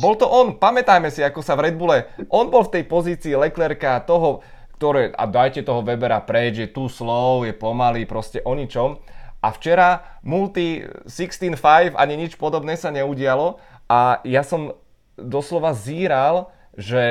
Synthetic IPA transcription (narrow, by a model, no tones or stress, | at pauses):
bɔlt̪ɔʔɔnpamɛt̪ajmɛsiakɔsaʋɾɛd̪̚bulɛʔɔnbɔlft̪ɛjpɔziːt͡siːlɛklɛɾkat̪ɔɦɔ | kt̪ɔɾɛːʔa̰d̪ajcɛt̪ɔɦɔʋɛbɛɾapɾɛɟʒɛt̪uːslɔʊjɛpɔmaliːpɾɔscɛʔɔɲit͡ʃɔmʔaft͡ʃɛɾamult̪isikst̪iːnfajfa̰ɲiɲit͡ʃpɔd̪ɔbnɛːsaɲɛuɟɪalɔ | ajasɔm | d̪ɔslɔʋaziːɾal | ʒɛ